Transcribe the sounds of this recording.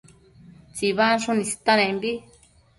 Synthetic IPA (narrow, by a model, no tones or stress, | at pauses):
t͡ʃiβaʂũnĩsi̥t̪ãnẽmbi